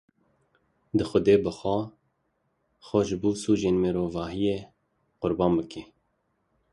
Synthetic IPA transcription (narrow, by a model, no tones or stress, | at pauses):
d̪ɨxʊd̪eːbəxɔ | xɔʒɨbuːsuːʒeːnmeɾoːvɑːɦijeː | qʊɾbɑːmbɨkʰe